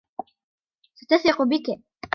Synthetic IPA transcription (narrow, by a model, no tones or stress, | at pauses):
sat̪asɪqʊbɪk